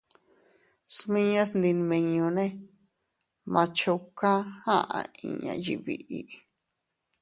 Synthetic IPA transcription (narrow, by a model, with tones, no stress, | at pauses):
smĩ˦ɲã˦snd̪i˧n˧mẽ˧ɲõ˧nẽ˦ | mã˧t͡ʃo˧ka˦hã˦ʔã̰˧ḭ̃˧ɲã̰˧˨ji˧βḭ˧ʔi˧